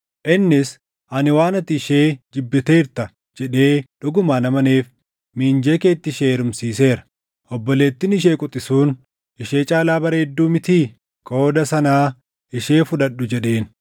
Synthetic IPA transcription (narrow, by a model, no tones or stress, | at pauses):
ʔɪnːɪs | ʔɐnɪwaːnɐt̪ːɪːʃeːd͡ʒɪbːɪt̪e̞ːɪɾt̪ɐ | d͡ʒɛᶑe̞ːᶑʊɡʊmaːnɐmɐneːf | miːnd͡ʒeːke̞ːt̪ːɪʃeːɾʊmsiːse̞ːɾɐ̥ | ɔbːɔle̞ːt̪ːɪnɪʃ̬e̞ːkʼʊt̪ʼːɪsuːn | ɪʃeːt͡ʃʼaːlaːbɐɾe̞ːd̪ːuːmɪt̪iː | kʰo̞ːd̪ɐsɐnaː | ɪʃe̞ːfʊᶑɐᶑːʊd͡ʒɛᶑeːn